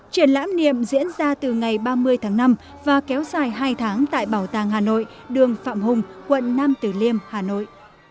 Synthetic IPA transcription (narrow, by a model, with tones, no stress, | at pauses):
t͡ɕi˧˩ənla̰ː˧˥mnḭ˧˨əmzḭ˧˥ənzaː˧t̪ɨ˨˩ŋa˨˩jɓaː˧mɨ˧əjt̪ʰaː˨˦ŋna˧m | vaː˨˩kɛ˨˦wzaː˨˩jɦaː˧jt̪ʰaː˨˦ŋt̪a̰ː˧˨jɓaː˧˩wt̪aː˨˩ŋɦaː˨˩no̰˧˨j | ɗɨ˨˩əŋfa̰ː˧˨mɦʊ˨˩ŋ͡mkwə̰˧˨nnaː˧mt̪ɨ˨˩li˧əmhaː˨˩no̰˧˨j